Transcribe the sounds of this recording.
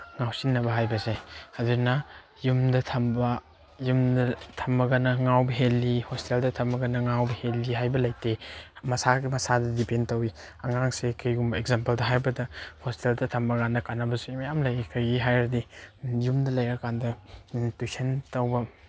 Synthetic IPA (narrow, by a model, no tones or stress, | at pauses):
ŋawsinːɐbɐɦajbɐsehazuna | jumdɐtʰɐmbɐ | jumdɐtʰɐmbɐɡanɐŋawbɐɦelːihosi̥teldɐtʰɐmbɐɡɐnɐŋawbɐhelːiɦajbɐlɐjtemɐsaɡimɐsadɐdipʰentɐwi | ɐŋaŋsekʰɯjɡumbɐeɡzampɐldɐɦajbɐdɐhosi̥teldɐtʰɐmbɐɡanɐkanːɐbɐsumɐjamlɐjikʰɐjɡiɦajɾdijumdɐlɐjɾɐkːandɐtujsʰentɐwbɐ